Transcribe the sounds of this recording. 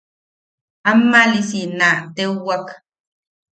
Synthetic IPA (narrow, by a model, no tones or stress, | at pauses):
amːalisinaʔt̪euwak